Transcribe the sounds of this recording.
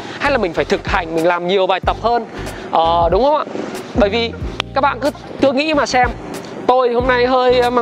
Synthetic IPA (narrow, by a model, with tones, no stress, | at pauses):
ha˧jla˨˩mï˨˩ŋ̟faː˧˩jt̪ʰɨ˨˩k̚ha˨˧˩jŋ̟mï˨˩ŋ̟laː˨˩mɲi˨˩əwɓaː˨˩jt̪ə˨˩p̚həː˧n | ʔəː˨˩ɗʊ˨˦wŋ͡mhə˧wŋ͡mʔa̰ː˧˨ɓəː˧˩jvi˨˩kaː˦˥k̚ɓa̰ː˧˨kɨ˨˦˥ | t̪ɨ˧əŋḭ˧˥maː˨˩sɛ˧m | t̪o˧jho˧mna˧jɦəː˧jma˧